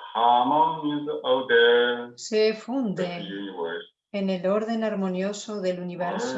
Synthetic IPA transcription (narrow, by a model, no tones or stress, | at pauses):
xaːmaizawd̪esefund̪ewa | eneloɾðenaɾmonjosoðeluniβeɾs